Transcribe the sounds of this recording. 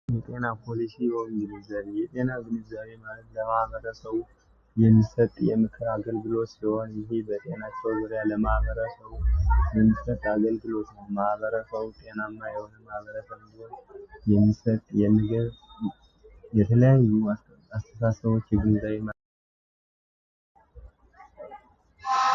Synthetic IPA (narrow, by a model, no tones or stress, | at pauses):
jɛt̪ʼe̞napʰo̞lisionɡɨnɨzəβejɛt̪ʼe̞naɡɨnɨzəβemaət̪ləmahβəɾəsəw | jɛmːisət̪ʼjɛmɨkʰɨɾaɡəlɡɨlo̞t̪siho̞njɪɦebət̪ʼe̞nat͡ʃːəwzɨɾjaləmahbəɾəsəwjɛmːisət̪ʼːaɡəlɡɨlo̞t̪nəwmahβəɾəsəwt̪ʼenamːajɛhonəmahβəɾəsəwɡəjɛmːisət̪ʼjɛɡ | jɛt̪ʰələjaju | ast̪ʰəsasəβwo̞t͡ʃːɡɨnzawema